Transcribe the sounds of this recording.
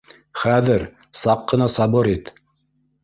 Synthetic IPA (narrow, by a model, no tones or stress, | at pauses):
χæðɘɾ | sɑqːɤ̆nɑsɑbɤɾit̪